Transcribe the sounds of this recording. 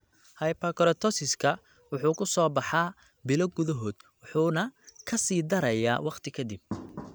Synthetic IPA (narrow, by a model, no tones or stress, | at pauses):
hɐjpʰɐkɔɾɐt̪ʰɔsɪskʰɐ | wʊħuːkʰʊsɔːbɑħɑː | bɪlɔɡʊðɐɦɔːd̪wʊħuːnɐkʰɐsiːd̪ɐɾɐjaːwɑqt̪ʰɪkʰɐd̪ɪb̚